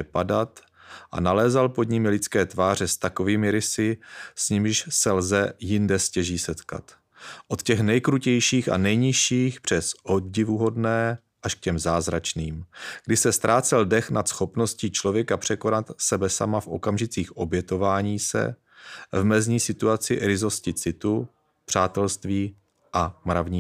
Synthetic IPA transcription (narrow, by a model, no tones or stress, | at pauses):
ɛpadat̪ | ʔa̰nalɛːzalpo̞dɲɪmɪlɪt͡skɛːt̪vaːr̝ɛst̪ako̞viːmɪɾɪsɪsɲɪmɪʃsɛlzɛjɪndɛscɛʒiːsɛt̪ka̰t̪ | ʔo̞t̪cɛxnɛjkɾucɛjʃiːxa̰nɛjɲɪʃiːxpr̝̥ɛsʔo̞d̪ɟɪvuɦo̞dnɛː | ʔaʃk̚cɛmzaːzɾat͡ʃniːmɡdɪsɛst̪ɾʔaːt͡sɛldɛxnat̪sxo̞pnosciːt͡ʃlo̞vjɛkapr̝̥ɛkonat̪sɛbɛsa̰mafʔo̞̰kamʒɪt͡siːxʔo̞bjɛt̪o̞vaːɲiːsɛ̰ | vmɛzɲiːsɪt̪uat͡sɪɾɪzo̞scɪt͡sɪt̪u | pr̝̥aːt̪ɛlst̪viː | ʔamɾavɲiː